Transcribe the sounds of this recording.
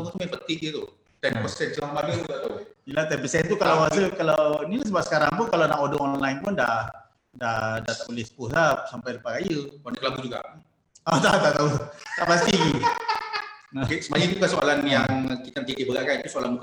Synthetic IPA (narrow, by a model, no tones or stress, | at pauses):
ŋt̪umɛpət̪ɪhit̪u | t̪ɛnpɔstɛt̪̚d͡ʒəlabaɡuuɡat̪ujalat̪ɛpisɛnt̪ukalaasəkalawnilas̬əbap̚sə̥kaɾa̰ŋpʊnkalanaʔodɔŋɔnlainpʊnda | dadat̪əulɪspusap̚sampajdpaɡaijuɔnakəlabud͡ʒuɡa̰ | ɔt̪a̰t̪aklabut̪aʔpast̪iɡi | kesəmaɲat̪ukasoa̰lanjaŋkit̪ankik̪ibəɡaʔkanit̪usoalanbuk